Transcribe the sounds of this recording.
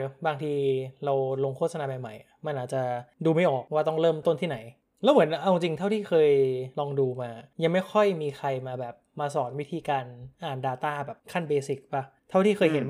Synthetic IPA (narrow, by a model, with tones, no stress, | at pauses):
baː˧ŋt̪ʰiː˧ɾa˧wlo˧ŋkʰo˥˩t̪̚sa˧naː˧ma˨˩jma˨˩jʔa˨˩ma˧nʔaː˨˩t͡ɕa˨˩duː˧ma˥˩jʔɔː˨˩k̚waː˥˩t̪ɔ˥˩ŋɾɤː˥˩mt̪o˥˩˨nt̪ʰiː˥˩na˩˦j | lɛː˦˥wmɯ˩˦ənʔa˧wŋt͡ɕi˧ŋt̪ʰa˥˩wt̪ʰiː˥˩kʰɤː˧jlɔː˧ŋduː˧maː˧ja˧ŋma˥˩jkʰɔ˥˩jmiː˧kʰa˧jmaː˧bɛː˨˩p̚maː˧sɔː˩˦nwi˦˥t̪ʰiː˧kaː˧nʔaː˨˩ndaː˧t̪aː˥˩bɛː˨˩p̚kʰa˥˩nbeː˧si˨˩k̚ba˦˧˩t̪ʰa˥˩wt̪ʰiː˥˩kʰɤː˧jɦe˩˦n